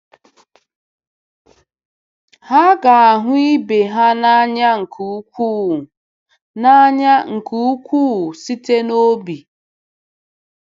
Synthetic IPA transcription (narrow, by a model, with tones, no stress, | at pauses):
ha˦ɡa˨a˨ɦʊ˦i˦be˨ɦa˦na˦ɲa˦ŋ̩˨kʰu˨u˦kʷuː˦˨ | na˦ɲa˦ŋ̩˨kʰu˨u˦kʷu˦˨si˦te˦no˦bi˨